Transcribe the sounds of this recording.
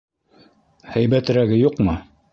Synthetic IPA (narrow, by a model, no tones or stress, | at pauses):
hæjbæt̪ɘ̆ɾæɡɘjuqmɤ